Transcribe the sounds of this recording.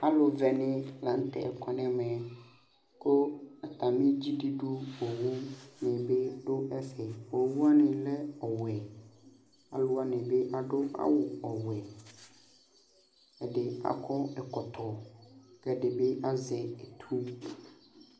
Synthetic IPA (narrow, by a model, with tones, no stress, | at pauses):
a˦lʊ˨vɛ˨nɪ̃˦lã˨n̩˦tʰɛ̰˨ɛ˨kʷʰa˨nɪ̃˦mɛ̃˨ | kʰo˦ɛ˨tʰa˨mɪ̃˦d͡ʑi˦di˦dʊ˦ɔ˨wu˦nɪ̃˨be˦dʊ˦ʔɛ˦sɛ˨ɔ˨˦wu˦a˦nɪ̃˨lɛ˦ɔ˨wɛ˨ | a˨lʊ˦a˦nɪ̃˨be˦ʔa˨dʊ˦a̰˦wʊ˨ɔ˨wɛ˨ | ɛ˨dɪ˨a̰˨kʰɔ˦ɛ˨kʰɔ˨tʰɔ˨kɛ˨dɪ˨be˦ʔa˦zɛ˨ɛ˨tʰũ˦